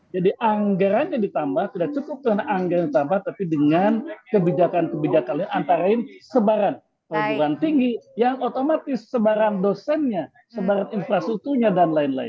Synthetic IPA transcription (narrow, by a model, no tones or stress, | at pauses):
d͡ʒadiʔaŋɡaɾanɲadit̪ambaht̪idak̚t͡ʃukʊp̚dəŋanaŋɡaɾandit̪ambaht̪apidəŋankəbid͡ʒakankəbid͡ʒakanlaɪnant̪aɾaɪnsəbaɾan | p̪aduɾant̪iŋɡijaŋot̪omat̪ɪsːəbaɾandosɛnɲa | səbaɾaninfɾast̪uk̚t̪urɲadanlaɪnla̰ɪ̰n